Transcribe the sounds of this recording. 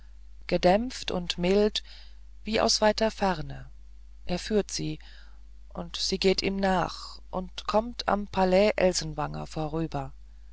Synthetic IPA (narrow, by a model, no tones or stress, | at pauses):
ɡ̥ədɛmftʊ̰ntmɪlt | v̥iːʔa̰ʊsv̥aɪtɐfɛʁnə | ʔeːɐfyːɐtz̥iː | ʔʊntz̥iːɡeːtiːmnaːχ | ʔʊntkʰɔmtʰa̰mpʰalɛːʔɛlzn̩vaŋɐ̰foːɐʁ̞yːbɐ